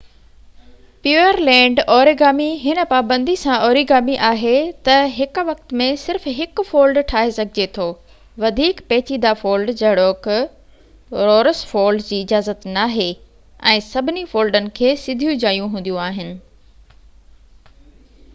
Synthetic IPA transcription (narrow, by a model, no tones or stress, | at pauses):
pjuːəɾlɛ̃ːɳɖɔːɾiɡaːmiɦɪnə̆paːbə̃nd̪isãʔɔːɾiɡaːmiʔaːɦet̪ɐɦɪkʋɐkt̪mẽsɪɾfɦɪkfoːlɖʈʰaːɦesɐɡʱɪd͡ʑet̪ʰoː | ʋɐd̪ʱiːkpɛːt͡ɕiːd̪afoːlɖd͡ʑɐɦɪɽoːk | ɾoːɾəsfoːlɖd͡ʑiːɪd͡ʑaːzət̪naːɦe | ɛ̃ːsɐbʱɪnifoːlɖənɪ̆kʰeːsɪd̪ʱijũd͡ʑaːijũɦũːnd̪jũaːɦɪnɪ̆